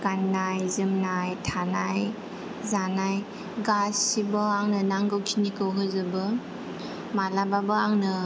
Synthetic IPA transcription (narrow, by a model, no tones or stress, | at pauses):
ɡ̥anːajzɯmnajtʰanaj | zanaj | ɡasibɔaŋnɯnaŋɡɯwkʰinikɯwɦɯzɯbɯ | malababɯaŋnɯ